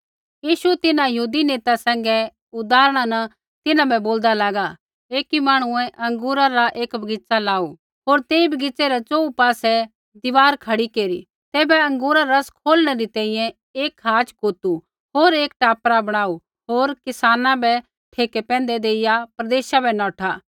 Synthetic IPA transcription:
jiːʃuɛt̪ɪnãjɐɦuːd̪ineːt̪asɛ̃ːŋ̆ɡɛ | ʊd̪aːɾɽ̃anɐ | t̪ɪnãbɛboːld̪alaːɡa | eːkimaːɽ̃ʊɛ̃ʔɐ̃ŋɡuːɾaɾaʔeːkbʱɐɡɪt͡salaːu | ɦoːɾt̪eːibʱɐɡɪt͡seɾɛt͡ʃoːupaːsɛ | d̪ɪʋaːɾkʰɐɽikeːɾi | t̪ɛːbɛɐ̃ŋɡuːɾaɾɐskʰoːlɽ̃ɛɾit̪ɛ̃ːĩjɛ̃ | eːkɦaːt͡ʃkoːt̪u | ɦoːɾeːkʈaːpɾabɐɽ̃aːu | ɦoːɾkɪsaːnãbɛ | ʈʰeːkɛpɛ̃ːnd̪ɛd̪eːɪjapɾɐd̪eːʃabɛnɔ̃ːʈʰaː

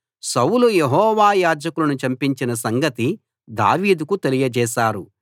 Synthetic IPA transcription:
sɐwlujeɦɔːʋaːjaːd͡ʒɐkulɐnut͡ʃɐmpiɲt͡ʃinɐsɐŋɡɐt̪i | d̪a̰ːʋiːd̪ukut̪e̞lijɐd͡ʒɛːʃaːɾu

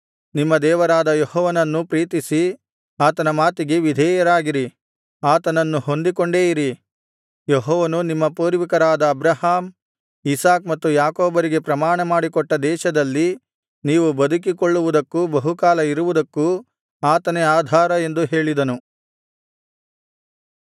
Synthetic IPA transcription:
nimːɐd̪ɛːʋɐɾaːd̪ɐjehɔːʋɐnɐnːupɾiːt̪isi | aːt̪ɐnɐmaːt̪iɡe̞ʋid̪ʱɛːjɐɾaːɡiɾi | aːt̪ɐnɐnːuho̞nd̪ikoɳɖeːjiɾi | jeɦɔːʋɐnunimːɐpuːɾʋikɐɾaːd̪ɐːbɾɐhaːm | isaːkmɐt̪ːujaːkoːbɐɾiɡe̞pɾɐmaːɳɐmaːɽikɔʈːɐd̪ɛːʃɐd̪ɐlːi | niːʋubɐd̪ʱuk̬ikoɭːuʋud̪ɐkːubɐɦukaːlɐiɾuʋud̪ɐkːu | aːt̪ɐneaːd̪ʱaːɾɐe̞nd̪uɦe̞ːɭid̪ɐnu

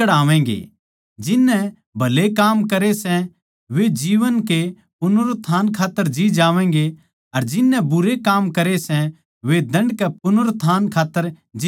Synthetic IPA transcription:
əɽaːʋɛ̃ːŋ̆ɡḛː | d͡ʒɪnːɛ | bʱɐlekaːmkɐɾesɛ̃ | ʋed͡ʒiːʋənke | pʊnʊɾt̪ʰaːnkʰaːt̪ːəɾd͡ʒid͡ʒaːʋɛ̃ːŋ̆ɡe | ɐɾd͡ʒɪnːɛ̃bʊɾekaːmkɐɾesɛ̃ | ʋed̪ɐ̃ɳɖkɛp̚ʊnʊɾt̪ʰaːnkʰaːt̪ːəɾ | d͡ʒ

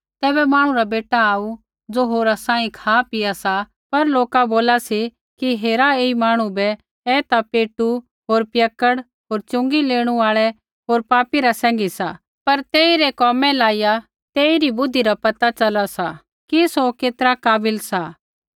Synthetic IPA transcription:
t̪ɛːbɛmaːɽ̃ũɾabeːʈaaːu | d͡zoːɦoːɾasãːĩkʰaːpɪasa | pɐɾloːkaboːlasi | kiɦeːɾaeːimaːɽ̃ũbɛ | ɛːt̪apeːʈu | ɦoːɾpjɐkːəɽ | ɦoːɾt͡ʃʊ̃ŋɡileːɽ̃uaːɭɛ | ɦoːɾpaːpiɾasɛ̃ːŋɡisa | pɐɾt̪eːiɾɛkɔːmɛlaːija | t̪eːiɾibʊd̪ʱːiɾapɐt̪at͡ʃɐlasa | kisokeːt̪əɾakaːbɪlsa

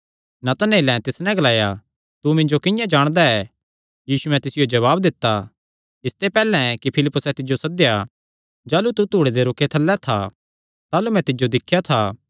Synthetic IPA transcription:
nɐt̪ɐneːlɛ̃t̪ɪsnɛ̃ɡɐlaːja | t̪umɪ̃ɲd͡ʒokɪ̃jãd͡ʒaːɽ̃d̪aɛ | jiːsuɛ̃t̪ɪsɪjod͡ʒɐβaːbd̪ɪt̪ːa | ɪst̪epɛːlɛ̃ɛkipʰɪlɪpːʊsɛt̪ɪd͡ʒosɐd̪ja | d͡ʒaːlut̪ut̪uːɽed̪eɾʊkʰːet̪ʰɐlːɛt̪ʰa | t̪aːlumɛ̃t̪ɪd͡ʒod̪ɪkʰːjat̪ʰaː

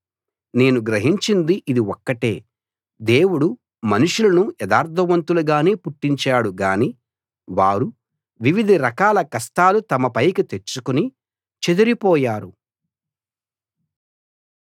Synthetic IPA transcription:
ne̞ːnuɡɾɐɦiɲt͡ʃind̪iʔid̪iwɔkːɐʈe̞ː | d̪e̞ːwuɽu | mɐnuʂulɐnujɛd̪aːɾt̪ʰɐʋɐnt̪uluɡaːneːpuʈːiɲt͡ʃaːɽuɡaːni | ʋaːɾu | ʋiʋid̪ʱiɾɐkaːlɐkɐst̪aːlut̪ɐmɐpɐjkit̪e̞t͡ʃːukuni | t͡ʃed̪ɐɾipɔːjaːɾu

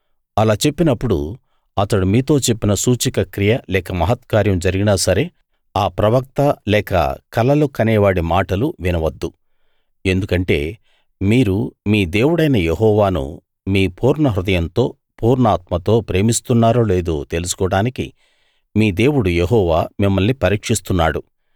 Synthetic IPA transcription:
ɐlaːt͡ʃe̞pːinɐpːuɽṵ | ɐt̪ɐɽumiːt̪o̞ːt͡ʃe̞pːinɐsuːt͡ʃikɐkɾijɐlɛːkɐmɐɦɐt̪̚kaːɾjɐmd͡ʒɐɾiɡinaːsɐɾe̞ | aːpɾɐʋɐk̚t̪ɐlɛːkɐ̰kɐlɐlukɐnɛːʋaːɽimaːʈɐluʋinɐʋɐd̪ːu | e̞nd̪ukɐɳʈe̞̰ː | miːɾumiːd̪e̞ːwuɽɐjnɐjeɦɔːʋaːnṵ | miːpʰuːɾɳɐɦɾud̪ɐjɐnt̪o̞ː | puːɾɳaːt̪mɐt̪o̞ːpɾe̞ːmist̪unːaːɾoːle̞ːd̪ṵt̪e̞lusu̥kɔːɽaːnikḭ | miːd̪e̞ːwuɽujeɦɔːʋaːmimːɐlnipɐɾiːkʂist̪unːaːɽu

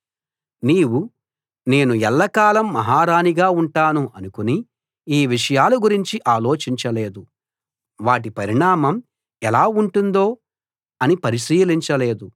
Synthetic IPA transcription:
niːwu | ne̞ːnuɛlːɐkaːlɐmːɐɦaːɾaːniɡaːuɳʈaːnuʔɐnukuni | iːʋiʂɐjaːluɡuɾiɲt͡ʃiʔaːlo̞ːt͡ʃiɲt͡ʃɐle̞ːd̪u | ʋaːʈ̬ipɐɾiɳaːmɐm | ɛlaːuɳʈund̪oː | ɐnipɐɾiʃiːliɲt͡ʃɐle̞ːd̪u

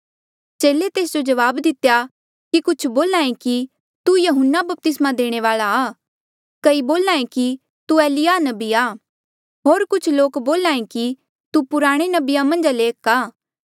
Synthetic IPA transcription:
t͡ʃeːlet̪eːsd͡ʒod͡ʒɐʋaːbd̪ɪt̪eja | kikʊt͡ʃʰboːlãːẽki | t̪ujɐɦʊnːabɐp̚t̪ɪsmãd̪eːɽ̃eʋaːlaː | kɐiboːlãːẽki | t̪ueːlɪjanɐbiaː | ɦoːɾkʊt͡ʃʰloːkboːlaːẽki | t̪upʊɾaːɽ̃enɐbijamɐ̃nd͡ʒaleːkaː

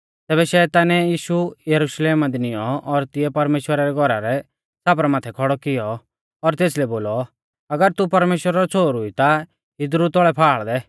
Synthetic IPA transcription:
t̪ɛːβɛʃɛːt̪aːnɛjiːʃujɐɾuʃleːmad̪inɪjɔʔɔɾt̪ɪɛpɐɾmeːʃwəɾaɾɛɡʱɔɾaɾɛ | saːp̬ɾamaːt̪ʰɛkʰɔɽɔkɪjɔ | ɔɾt̪eːslɛboːlɔ | ɐɡəɾt̪upɐɾmeːʃwəɾaɾɔt͡sʰoːɾʊit̪a | ɪd̪ɾut̪ɔɭɛpʰaːɭd̪ɛ

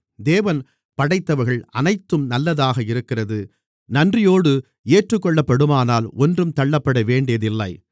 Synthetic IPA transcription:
d̪eːʋɐn | pɐɽɐɪt̪ːɐʋɐɾɣɐɭɐnɐɪt̪ːɯmnɐlːɐðaːɣɐɪɾɯkːɪrɐðɯ | nɐndrɪjoːɽɯ | eːʈrɯkːɔɭːɐpːɐɽɯmaːnaːlɔndrɯmt̪ɐɭːɐpːɐɽɐʋeːɳɖɪjɐðɪlːɐɪ

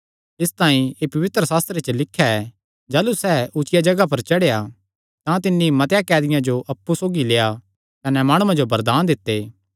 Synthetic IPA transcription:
ɪst̪aːĩeːpɐʋɪt̪ɾəsaːst̪ɾet͡ʃəlɪkʰːjaɛ | d͡ʒaːlusɛːʔʊt͡ʃɪjad͡ʒɐɡap̬ɐɾt͡ʃɐɽeja | t̪ãt̪ɪnːimɐt̪jakɛːd̪ɪjãd͡ʒoʔɐpːusoːɡileːja | kɐnɛmaːɽ̃uãd͡ʒobɐɾd̪aːnd̪ɪt̪ːeː

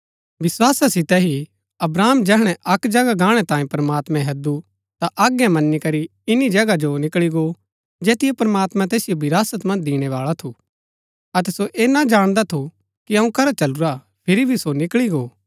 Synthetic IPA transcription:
ʋɪswaːsasɪt̪ɛɦi | ɐbɾaːmd͡ʒɛːɦɽ̃ɛ̃ʔɐkd͡ʒɐɡaɡãːɽ̃ɛt̪ãːĩpɾɐmaːt̪mɛ̃ɦɐd̪u | t̪aʔaːɡɛmɐnːikɐɾiɪnid͡ʒɐɡad͡ʒonɪkɭiɡo | d͡ʒeːt̪ɪjepɾɐmaːt̪mãt̪̬eːsɪjobʱɪɾaːsət̪mɐ̃nd͡ʒd̪iːɽ̃ɛʋaːɭat̪ʰu | ɐt̪ɛsoʔeːnad͡ʒaːɽ̃d̪at̪ʰu | kiɐũkɐɾat͡ʃɐluɾa | pʰɪɾibʱisonɪkɭiɡoː

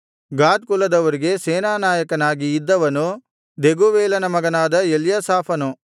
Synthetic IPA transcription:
ɡaːt̪̚kulːɐd̪ɐʋɐɾiɡe̞sɛːnaːnaːjɐkɐnaːɡiːd̪ːɐʋɐnu | d̪eɡuʋɛːlɐnɐmɐɡɐnaːd̪ɐeljɐsaːpʰɐnu

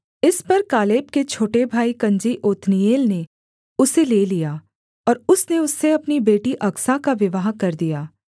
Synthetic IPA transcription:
ɪspɐɾkaːleːp̚ket͡ʃʰoːʈebʱaːikɐ̃ɲd͡ʒiʔoːt̪nijeːlne | ʊseleːlijaː | ɔːɾʊsneʊsːeɐpnibeːʈiʔɐksakaʋɪʋaɦakɐɾd̪ijaː

